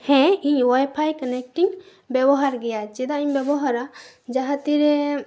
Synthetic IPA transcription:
hɛ̃iɲwajpʰajkənɛk̚ʈiŋ | bɛbɔɦaɾɡɛjat͡ʃɛd̪aiɲbjɛbɔɦaɾa | d͡ʒaɦat̪iɾɛ

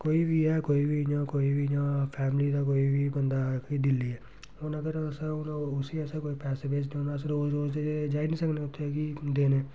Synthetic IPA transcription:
koːibʱiɦɛkoːibʱid͡ʒãkoːibʱid͡ʒãːpʰɛːmlid̪ak̬oːibʱibənd̪akid̪ɪlːiɦɛ | oːnəɡəɾsaʊnʊsiɛsakoːipɛːsebeːd͡ʒnĩoːnasɾoːsɾoːd͡ʒd̪ed͡ʒed͡ʒaːinĩːsəkneot̪ʰːeɛkid̪eːneː

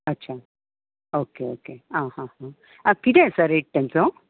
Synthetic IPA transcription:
ɐtːɕʰaː | oːkeoːkeãːhãhã | ɐkid̪esɐɾiʈːɐnt͡so

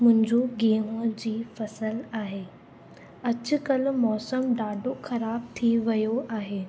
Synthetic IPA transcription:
mʊ̃ɦɪ̃ɲd͡ʑoɡeːɦũd͡ʑiːfɐsəlaːɦeː | ɐt͡ɕʊkɐlmɔːsəmɖaːɖoxɐɾaːb̚t̪ʰiʋɐjoaːɦeː

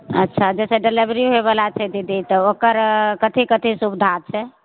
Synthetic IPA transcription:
ətːʃʰad͡ʒɛsɛɖelibɾiɦeβəlat͡ʃʰɛd̪id̪it̪ɔokəɾkət̪ʰikət̪ʰisubd̪ʱat͡ʃʰɛ

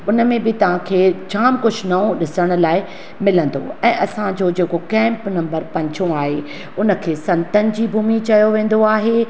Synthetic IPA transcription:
ʊnə̆mẽbɪt̪ɐʋ̤ãkʰeːd͡ʑaːmkʊd͡ʑʱnɐõɗɪsəɽ̃ʊ̆laːɪ | mɪlə̃nd̪o̰ɛ̃ːʔɐsãd͡ʑoːd͡ʑeːkokɛ̃ːmpnɐ̃mbəɾpɐ̃ɲd͡ʑõaːɦe | ʊnə̆kʰeːsɐ̃nt̪ənɪ̆d͡ʑiːbʱuːmit͡ɕɐjoʋẽːn̆d̪oaːɦe

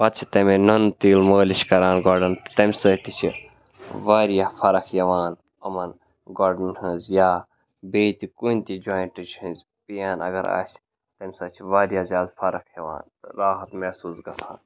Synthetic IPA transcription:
pɐt̪t͡ʃʰi̥t̪ɐmenɐnt̪iːlməːliʃkɐɾaːnɡoːɾɖɐnt̪ɨ̥t̪ɐmʲsɐːt̪it͡ʃʰi | ʋaːɾijaːfʰɐɾɐkʰjɐʋaːn | ɐmɐn | ɡoːɖɐnhɨ̃ːzjaː | beːt̪ikunʲt̪id͡ʒaːjɳʈɨt͡ʃʰhɨ̃nzʲ | pijaːnɐ̰ɡɐɾa̰ːsʲ | t̪ɐmʲsɐːt͡ʃʰiʋaːɾjaːzjaːd̪fɐɾɐkʰjɐʋa̰ːnt̪ɨɾaːɦɐt̪mɛsuːsɡɐsʰã̰ːn

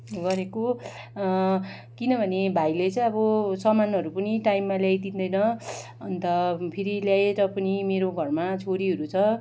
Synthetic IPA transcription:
ɡʌɾeko | kinʌbʱʌnebʱajlet͡sʌ̃j̃ʌbʌsʌmanʌɾupʌniʈajmːaljajd̪ind̪ʌjnʌ | ʌnt̪ʌpʰiɾiljaeɾʌpʌnimeɾoɡʱʌrmat͡sʰoɾiɦʌɾut͡sʰʌ

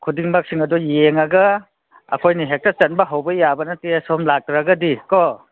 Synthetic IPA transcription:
kʰudiŋbak̚siŋɐdujeŋɐɡɐ | ɐ̰kʰojniɦek̚tɐt͡ʃɐnbɐɦawbɐjabɐnɐtesɔmlak̚tɾaɡɐdikɔ

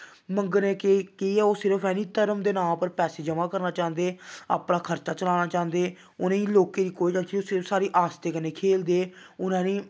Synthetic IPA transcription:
məŋɡənẽːkekiiːɛːoːsɪɾəpʰɛːniːt̪əɾəmd̪eːnãːpəɾpɛːseːd͡ʒəmaːkəɾnaːt͡ʃãːnd̪eːa̰ːpnãːkʰəɾt͡ʃaːt͡ʃəlaːnaːt͡ʃãːnd̪eː | ʊnãːĩːloːkeːɾiːkoːiːd͡ʒãoːsɪɾəfsaːɾiːʔaːst̪eːkəneːkʰeːld̪eːʊnãːnĩː

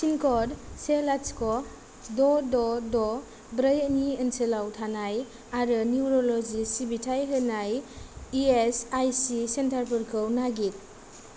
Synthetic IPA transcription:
sinkʰɔɾselaskɔ | dɔdɔdɔ | bɾəjəniənselawtʰanaj | aɾɯniuɾɔlɔzisibitʰajɦɯnajiesajsisentʰaɾpʰɯɾkʰɯwnaɡit̚

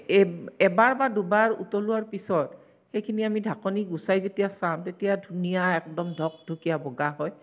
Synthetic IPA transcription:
ɛbaɹbadubaɹṵtɔlʊaɹpisɔt | xejkʰiniamidʱakɔniɡusajzetijasamtetijadʱunijaɛk̚dɔmdʱɔk̚dʱukijabɔɡaɦɔj

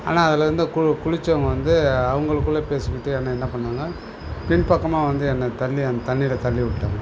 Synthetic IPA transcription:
a̰ːnaːɐðɪlɐɾɯnd̪ɯkʊkʊɻɪt͡ʃːɐʋɐŋɡɐʋɐnd̪ɯɐʋɐŋɡɐɭɯkːɯɭːɐpeːsɯkːɪʈːɯɛnːɐɛnːɐpɐɳːaːŋɡɐ | pɪɳpɐkːɐmaːʋɐnd̪ɯɛnːɐt̪ɐɭːiɐnd̪ɐt̪ɐnːɪlɐt̪ɐɭːiʋɪʈːɯʈːaːŋɡɐ

